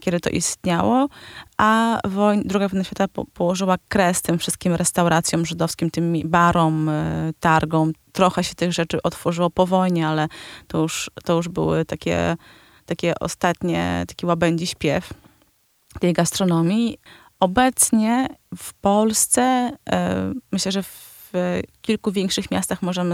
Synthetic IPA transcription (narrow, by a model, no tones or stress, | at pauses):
kʲɛd̪ɘt̪ɔ̰ʔḭst̪ɲawɔʔavɔjnd̪ɾuɡavɔjnaɕfʲat̪aɔpɔwɔʐɘwakɾɛst̪ɘmfʂɘ̥st̪̚kʲimɾʔɛst̪awɾʔat̪sʲjɔ̃mʐɘd̪ɔfskʲimt̪ɘmʲbaɾɔmt̪aɾɡɔ̃mt̪ɾɔxɛɕɛt̪ɘɣʐɛt͡ʂɘʔɔt̪fɔʐɘwɔpɔvɔjɲɛalɛt̪ɔjuʂt̪ɔjuʐbɘ̰wɘ̰t̪akʲɛ̰ | t̪akʲɛʔɔ̰st̪at̪ɲɛ̰t̪ḁkʲiwabɛɲd͡ʑiɕpʲjɛf | t̪ɛjɡast̪ɾɔnɔmʲi | ʔɔbɛt̪sɲɛfpɔlst̪sɛ | mɘɕlɛʐɛf | kʲilkuvʲjɛŋkʂɘxmʲjast̪axmɔʐɛmɘ